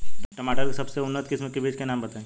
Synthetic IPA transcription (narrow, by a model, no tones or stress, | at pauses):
ʈɐmaːʈəɾksɐbseʊnːət̪kɪsmẽkɪbʱeːt͡ʃkenaːmbɐt̪aẽ